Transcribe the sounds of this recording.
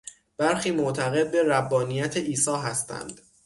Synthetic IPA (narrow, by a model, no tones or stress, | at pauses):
b̥æɾxiːmoʔt̪ʰæɣe̞d̪̚be̞ɾæbːɒːnijæt̪ʰeʔiːsɒːɦæst̪æ̰nd̪̥